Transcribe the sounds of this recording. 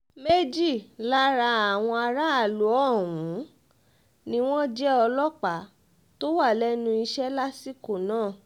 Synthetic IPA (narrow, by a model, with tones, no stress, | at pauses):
me˦d͡ʒi˦˨la˦ɾa˧a˨w̃ɔ̃˧a˧ɾa˦a˦˨lu˨˦ɔ˦˨wũ˨˦ | nĩ˦w̃ɔ̃˦d͡ʒɛ˦ɔ˧lɔ˦k͡pa˨˦ | to˦wa˦˨lɛ˦nũ˧i˧ʃɛ˦la˦si˦ko˦˨nãː˦˨